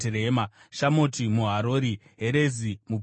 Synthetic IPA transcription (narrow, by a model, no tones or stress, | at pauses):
eɾeːmaʃamotimuɦaɾoːɾi | ɦeɾe̞zimu